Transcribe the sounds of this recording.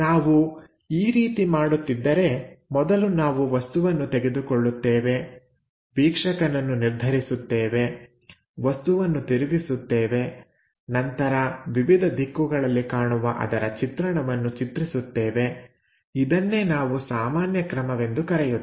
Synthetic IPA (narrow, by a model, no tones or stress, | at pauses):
naːʋu | iːɾiːt̪imaːɽut̪ːid̪ːɐɾe̞mɔd̪ɐlunaːʋuʋɐst̪uʋɐnːut̪ɛɡe̞d̪ukɔɭːut̪ːeːʋe̞ | biːkʂɐkɐnɐnːuniɾd̪ʱɐɾisut̪ːeːʋe̞ | ʋɐst̪uʋɐnːut̪iɾiʋisut̪ːeːʋe̞ | nɐnt̪ɐɾɐʋiʋid̪ʱɐd̪ʱikːuɡɐɭɐlːikaːɳuʋɐʔɐ̰d̪ɐɾɐt͡ʃit̪ɾɐɳɐʋɐnːut͡ʃit̪ɾisut̪ːeːʋe̞ | id̪ɐnːe̞ːnaːʋusaːmaːnjɐkɾɐmɐʋe̞nd̪ukɐɾɛju